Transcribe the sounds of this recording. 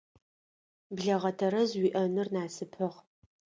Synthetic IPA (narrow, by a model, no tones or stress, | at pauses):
bɮɐʁɐtʰɐɾɐzwiːʔɐnɨrnaːsɨpʰɐʁ